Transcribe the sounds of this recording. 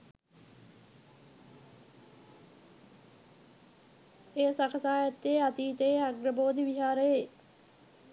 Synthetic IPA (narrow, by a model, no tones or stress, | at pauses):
eːsakʰəsaːjat̪ːeat̪iːt̪eeaɡɾəboːd̪iʋiɦaːɾəje